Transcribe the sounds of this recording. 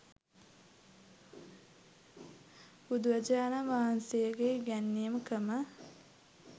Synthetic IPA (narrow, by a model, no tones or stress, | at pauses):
bud̪uʋəd͡ʒaːnaʋaɦansejəɡeɡænːijəməkəmə